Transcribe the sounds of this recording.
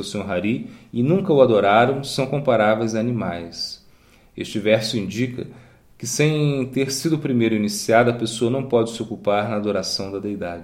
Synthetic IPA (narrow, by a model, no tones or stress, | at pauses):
oseoɦaɾiɪnũkɐʊad̪oɾaɾɐ̃w̃sɐ̃w̃kõpaɾavejzanimajs | eʃt͡ʃɪvɛɾsʊĩnd͡ʒikɐ̰ | kɪsẽj̃t̪eɾsid̪ʊpɾimejɾʊinisiad̪ɐpesoɐnɐ̃w̃pɔd͡ʒɪsɪokupaɾnɐːd̪oɾasɐ̃w̃d̪ɐd̪ejd̪ad͡ʒɪ